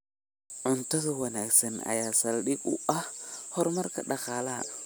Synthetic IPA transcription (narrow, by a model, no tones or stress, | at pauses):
ʕʊnt̪ʰɐðɐwɐnaːɡsɐnɐ̰jaːsɐlɗɪɡʊʔɐhhɔrmɐrkʰɐɖɑχɑːlaː